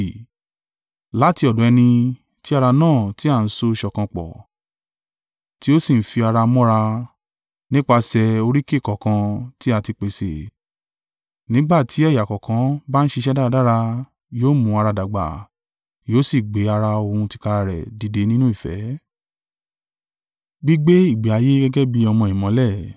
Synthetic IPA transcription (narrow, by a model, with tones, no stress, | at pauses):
la˨˦ti˧ɔ˨dɔ̃˨˦ɛ˧nĩ˧ | ti˦a˧ɾa˧nãː˦˨ti˨˦a˦˨n̩˦so˦˧ʃɔ˨kã˧k͡pɔ̰˨ | ti˦o˦si˦˨n̩˦fi˧a˧ɾa˧mɔ̃˦ɾa˧ | nĩ˦k͡pa˧sɛ˧o˧ɾi˦ke˦˨kɔ˨kã˧ti˦a˧ti˧k͡pe˨sḛ˨ | nĩ˨˦ɡ͡ba˦˨tʰi˨˦ɛ˦˨ja˨kɔ˨kã˨˦ba˦n̩˦ʃe˧ʃɛ˦da˦˧˦da˦ɾa˧ | joː˦mũ˧˦a˧ɾa˧da˨ɡ͡ba̰˨ | joː˨˦si˦˨ɡ͡be˨˦a˧ɾa˧o˧hũ˧ti̥˧ka˧ɾa˧ɾɛ̰˨di˨˧de˧˦nĩ˦nũ˦i˦˨fɛ̰˨˦ | ɡ͡bi˦ɡ͡be˦i˦˨ɡ͡be˨a˨˧je˦ɡɛ˦ɡɛ˦bi˧ɔ˧mɔ̃˧i˨mɔ̃˨˦lɛ˦˨